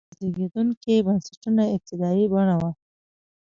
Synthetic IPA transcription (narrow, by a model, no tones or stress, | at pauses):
zleɡed̪uŋkebansaʈunaɪk̚t̪ɪd̪ɑjibaɳ̃awa